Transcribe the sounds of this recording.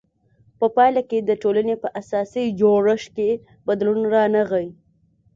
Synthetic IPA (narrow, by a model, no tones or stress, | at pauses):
pəpɑjlaked̪əʈolanepəʔasɑsid͡ʒoɽəʃke | bad̪lunɾɑnaɣawi